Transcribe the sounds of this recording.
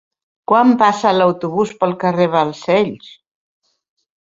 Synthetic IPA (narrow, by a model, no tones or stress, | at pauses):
kwampasalawt̪uβuspəlˠkəreβəlˠsɛʎs